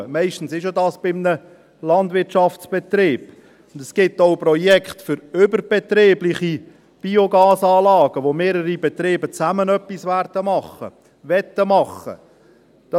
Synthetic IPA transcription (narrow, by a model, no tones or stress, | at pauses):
əmɛɪʃtn̩sɪʃodɑːsb̥ɪmnə | lɑnd̪vɪtʃɑft͡sb̥ɛt̪ɾeːb̥ | ʊndɛsɡ̥ɪtːoʊprɔjɛkχtfʏɾʏbərb̥ɛt̪ɾeːblɪχi | b̥ioɡɑːsɑːlɑːɡ̥əʋomeːɾəɾibɛt̪ɾeːbət͡sæmənœpːisværd̥əmɑχːə̰ | ʋɛt̪ːəmɑχə̰ | d̥ɑ